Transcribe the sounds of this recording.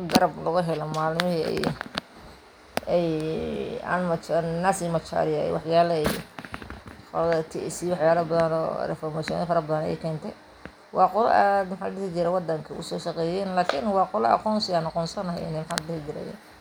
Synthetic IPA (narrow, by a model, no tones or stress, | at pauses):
ɡɐɾɐblɐɣʊɦɛlɔmaːlmɪɦiːɛ̰j | ɛj | ɐ̰nmɐt͡ʃnasimɐt͡ʃa̰ɾɪjɐɛ̰jwɑħjaːlɐɛj | fɔ̰lɐðɐt̪ʰiɛsiwɑħjaːlɐbɐðɐnɔ̰ːrɛ̰fɔrmaʃɔ̰nɪfɐɾɐbɐðɐnɛjɛ̰jkʰɛːnt̪ʰɛj | wɑːqɔlɛ̰ʔad̪mɐħaːlɐɖɪhɪt͡ʃɪɾɛwɑd̪ɐŋkʰɐʊ̰sɔːʃɑqɛːjɛːnlaːkʰɪnwɑːqɔlɛɐ̰qɔːnsɪaːnɑqɔːnsɐnɐɦɛjɪ̰nɛjmɐħalɐɖɪhɪt͡ʃɪɾɛ̰jɛ̰ːn